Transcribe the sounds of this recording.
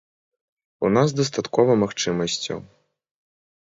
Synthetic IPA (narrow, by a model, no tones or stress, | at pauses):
unazd̪ɐst̪at̪kɔvɐmaxt͡ʂɨmɐsʲt͡sʲɐ̰w